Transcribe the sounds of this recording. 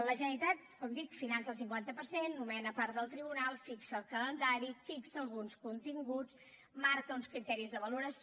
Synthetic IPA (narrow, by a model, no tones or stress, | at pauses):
ləʒənəlit̪at̪̚kɔmd̪ikfinansəlˠsiŋkwant̪əpəɾsenːumɛnəpaɾt̪d̪əlˠt̪ɾiβunalˠfiksəːlˠkələnd̪aɾifiksəːlˠɣunskunt̪iŋɡut͡s | maɾkəunskɾit̪ɛɾizðəβəluɾəs